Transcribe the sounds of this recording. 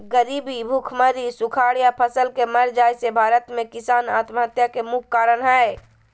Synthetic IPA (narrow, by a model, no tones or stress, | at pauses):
ɡəɾiːbibʱukʰməɾisukʰaːɽjapʰəsəlkeməɾd͡ʒaːjsebʱaːɾət̪mẽkɪsaːnaːt̪məɦət̪jakemʊkʰːaːɾənɦɛe